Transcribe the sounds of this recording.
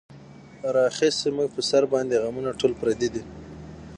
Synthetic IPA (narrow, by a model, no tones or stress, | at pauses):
ɾɑxisemuɡ̚pəsaɾbɑnd̪eɣamunaʈolpɾad̪id̪i